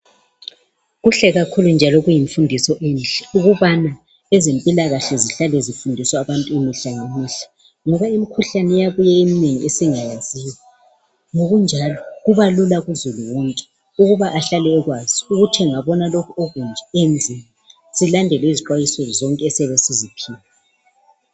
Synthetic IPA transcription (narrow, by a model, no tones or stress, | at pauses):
ɣuɬɛɣakʰulund͡ʒʱalɔɣujiɱfundʱisɔʔenɬɛuɣuβana | ɛzempʼilaɣaɬɛziɬalɛzifundʱisɔaβantʼuimiɬaŋemiɬḁ | ŋɔβaimikʰuɬanɛjaβujɛemineŋiʔesiŋajaz̥iwɛ | ŋoɣund͡ʒʱalɔɣuβalulaɣuzuluwɔːŋkʼɛ̥ | uɣuβaʔaɬalɛːɣwaz̥iuɣutʰɛŋaβɔnalokʰɔoɣund͡ʒʱɛend͡zʱima | z̥ilandʱɛliziǃwajisɔzɔŋkʼɛsɛβɛsizipʰiːlɛ